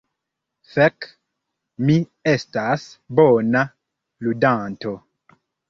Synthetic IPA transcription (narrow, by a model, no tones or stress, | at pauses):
fɛk | mi | estasbona | ludanto